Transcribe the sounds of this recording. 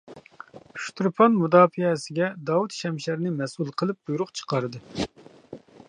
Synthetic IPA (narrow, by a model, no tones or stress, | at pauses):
ʃt̪ɾpʰɑnmud̪ɑːfiɛsɪɡʲɛd̪ɑut̪ʃɛmʃæɾnɪmɛsulˠqʰəlˠɨp̚d̪ujɾʊqt͡ʃʰə̥qɑɾɨd̪ɨ